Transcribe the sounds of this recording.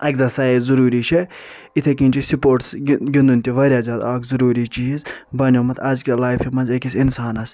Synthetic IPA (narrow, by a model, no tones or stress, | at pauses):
ɐkʲzɐsɐːizuɾuːɾiʃʰe | it̪ʰekĩːnʲt͡ʃisupoːɾʈsɡind̪unʲt̪iʋɐɾʲjaːzʲaːd̪aːkʰzɐɾuːɾit͡ʃizbɐnʲjomɐt̪ʰɐzkʲilaːjfimɐnzʲɐkʲisinsaːnɐs